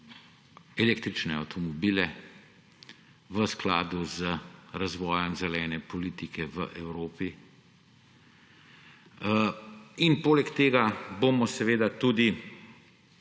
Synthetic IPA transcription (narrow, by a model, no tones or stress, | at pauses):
ɛleːkt̪ɾit͡ʃnɛa̰wt̪ʰɔmɔbiːlɛ | ʋəskla̰ːd̪uzəɾazʋɔːjɔmzɛlɛːnɛpɔliːt̪ikʰɛʋə̰ʔɛwɾoːpi | inpoːlɛkt̪eːɡabomɔsɛʋeːd̪at̪ud̪i